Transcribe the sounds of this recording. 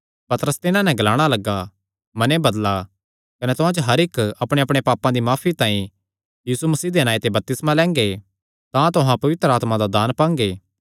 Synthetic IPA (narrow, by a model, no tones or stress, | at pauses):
pɐt̪əɾəst̪ɪnãnɛ̃ɡɐlaːɽ̃alɐɡa | mɐnebɐd̪la | kɐnɛt̪ʊɦãd͡ʒoɦɐɾɪkɐpɽ̃eɐpɽ̃epaːpãd̪imaːpʰit̪ãːĩ | jiːsumɐsiːd̪enaːet̪ebɐp̚t̪ɪsmãlɛ̃ːŋɡe | t̪ãt̪ʊɦãpɐʋɪt̪ɾəaːt̪mãd̪ad̪aːnpãːŋɡeː